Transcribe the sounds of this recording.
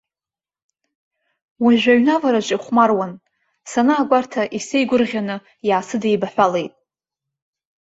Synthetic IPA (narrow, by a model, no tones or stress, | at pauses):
waʒᶣʷaɥnavaɾaʒʷʼaχʷmarwan | sanaːɡʷartʰaʔisejɡʷʊrʁʲanɨ | jaːsɨdejbaħʷᶣale̞jtʼ